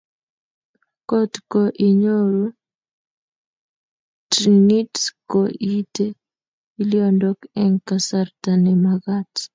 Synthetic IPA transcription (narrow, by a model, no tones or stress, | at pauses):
kɔtkoʔiɲoɾu | tnitkoʔite | iljɔndɔkɛŋkasartanɛmaɡat